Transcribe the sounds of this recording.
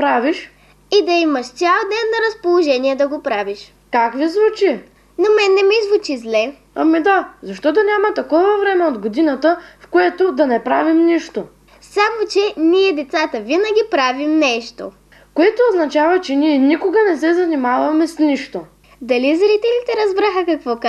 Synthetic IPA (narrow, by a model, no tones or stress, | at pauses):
pɾaviʃ | id̪ɐimɐʃt̪sʲjalˠd̪ɛnːɐɾɐspolˠoʒɛniɛd̪ɐɡopɾaviʃ | kakvizvut͡ʃi | nomɛnːɛmizvut͡ʃizlɛ | amid̪azɐʃt̪ɔt̪̬onʲamɐt̪ɐkɔvɐvɾɛmɛod̪ɡod̪inət̪əfkoɛt̪od̪ɐnɛpɾavimniʃt̪o | samot͡ʃɛniɛd̪ɛt̪sat̪əvinəɡʲipɾavimnɛʃt̪o̰ | koɛt̪ooznɐt͡ʃavət͡ʃɛniɛnikoɡɐnɛsɛzɐnimavɐmɛsniʃt̪o | d̪ɐlizɾit̪ɛlit̪ɛɾɐzbɾaxɐkɐkvɔk